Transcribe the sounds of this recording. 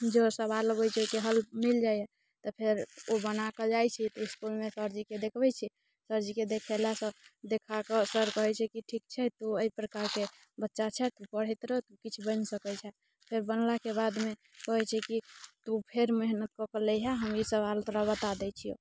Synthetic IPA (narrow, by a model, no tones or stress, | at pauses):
d͡ʒosəβalɡojt͡ʃʰokeɦəlmild͡ʒaje | t̪ɔpʰeɾobənaked͡ʒajt͡ʃʰit̪iskulmesəɾd͡ʒiked̪ekʰbɛt͡ʃʰi | səɾd͡ʒiked̪ekʰɛlasə̃d̪ekʰakəsəɾkəɦɛt͡ʃʰɛkiʈʰik̚t͡ʃʰɛt̪uəipɾəkaɾke | bətːʃat͡ʃʰɛt̪upəɽ̤ɛt̪ɾət̪ukit͡ʃʰbənsəkɛt͡ʃʰɛ | pʰeɾbənlakebad̪me | kəɦɛt͡ʃʰɛkit̪upʰeɾmeɦnət̪̚kɔkeleɦɛɦəmisəβalt̪ɔɾabət̪ad̪ɛt͡ʃʰio̰